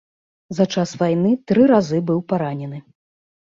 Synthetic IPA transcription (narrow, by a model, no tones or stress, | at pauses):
zɐt͡ʂasvajnɨt̪ɾɨɾazɨbɨwpaɾanʲɛnɨ